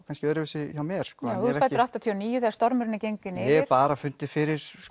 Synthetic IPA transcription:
kʰanscɪœːɾɪvɛsɪçawmɛːɾ̥skɔːauɾɛfajt̪ɾaht̪at̪ʰiɔɔniːjʏθɛːðɾ̥st̪ɔɾmʏɾɪnːɪcejŋkɪnːɪɛpaːɾafʏnt̪ɪfɪɾɪɾ̥s

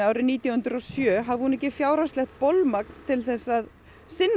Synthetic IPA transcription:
aːwɾɪniːt̪jahʏnt̪ɾɔsjœːɦavɪhunɛhcːɪfjaːwɾaslɛxt̪̚polmak̚nt̪ʰɪlθɛsːað | sɪnː

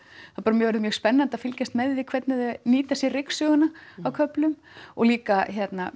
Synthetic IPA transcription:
θaðpaɾʏmjœɣvɛɾðʏmjœːɣspɛnːant̪aðfɪlcast̪mɛðvɪkʰvɛt̪nɪðniːt̪asjɛrɪksœɣʏnaawkʰœplʏm | ɔɣliːkaçjɛt̪na

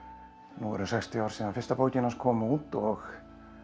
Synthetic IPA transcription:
nuɛ̰ɾʏsɛjkst̪ɪaːwɾ̥sɛːðanfɪr̥st̪apoːwcɪnaskʰɔːmʏuːt̪ɔx

